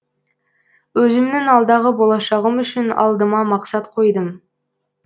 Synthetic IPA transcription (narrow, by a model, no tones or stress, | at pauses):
wɵzɪmnɪŋɑlˠd̪ɑʁəbolˠɑʃɑʁəmʏʃɪnɑ̰lˠd̪əmɑmɑqsɑt̪qʰo̞jd̪əm